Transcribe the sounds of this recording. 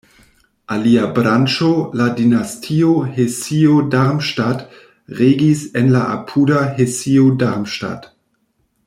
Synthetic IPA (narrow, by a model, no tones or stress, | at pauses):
ʔaliabɾant͡ʃoladinastʰiohesiodaʁmʃtat | ʁeːɡisɛnlaʔa̰pʰuːdaɦesiodaʁmʃta̰t